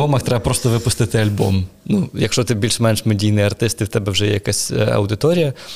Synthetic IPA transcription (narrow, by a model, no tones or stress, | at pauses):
ɔmɐxt̪ɾɛbɐpɾɔst̪ɔʋɪpʊst̪ɪt̪ɪɐlʲbɔ̰mnujɐkʃt͡ʂɔt̪ɪbʲilʲʂmɛnʂmɛdʲijnɨjɐrt̪ɪst̪ɪwt̪ɛbɛwʐɛjɛjɐkasʲɐ̰wd̪ɪt̪ɔɾʲijɐ